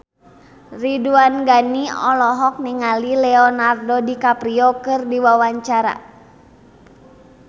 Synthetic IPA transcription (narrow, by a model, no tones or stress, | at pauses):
riduanɡaniɔ̰lɔɦɔk̚niŋalilɛɔnardɔdikapɾiɔkɨrdiwawaɲt͡ʃaɾa̰